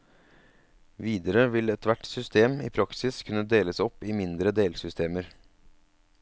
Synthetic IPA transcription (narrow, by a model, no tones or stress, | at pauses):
ʋiːd̪əɾəʋɪlɛt̪ʋæʈsʏst̪eːmḭːpʰɾɑksɪskʰʉnəd̪eːləsɔpːiːmɪnd̪ɾəd̪eːlsʏst̪ʰeːməɾ